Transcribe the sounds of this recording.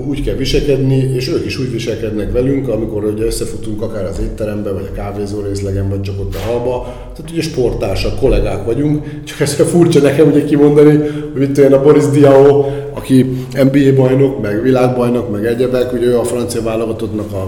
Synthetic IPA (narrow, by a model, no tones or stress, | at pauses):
uːckɛlʋiʃɛlkɛd̪nieːʃøːkiʃuːɟʋiʃɛlkɛd̪nɛkʋɛlyŋkɒmiko̞ɾuɟɛøsːɛfut̪uŋkɒkaːɾɒzeːt̪ːɛɾɛmbɛvɒ̰ɟɒkaːveːzoːɾeːslɛɡɛɱvɒc̚t͡ʃɒkot̪ːɒɦɒlbɒ | t̪aːt̪uɟɛʃpo̞rt̪aːlʃɒkːo̞lɛɡaːkʋɒɟuŋk | t͡ʃɒ̥kɛskɛfurt͡ʃɒnɛkɛmuɟɛkimo̞nd̪ɒnihoɟmit̪ːojɛnɒbo̞ɾizd̪iɛoɒkiɛmbiːeːbɒjno̞kmɛɡʋilaːɡbɒjnokmɛɡɛɟɛbɛkuɟɛøːɒfrɒnt̪sijɒvaːlo̞ɡɒt̪ot̪nɒkɒ